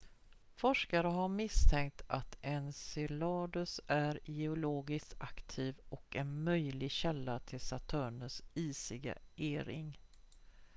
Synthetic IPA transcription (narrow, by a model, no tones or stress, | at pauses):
fɔʂkaɾəɦaɾmɪst̪ʰɛŋk̚t̪ʰat̪ɛnsɪlɑːd̪ɵsæɾjɛʊloːɡɪst̪akt̪ʰiːvɔkɛnmœjlɪɡɕɛlːat̪ʰɪlsat̪ʰœːɳəsiːsɪɡa̰ʔeːɾɪ̰ŋ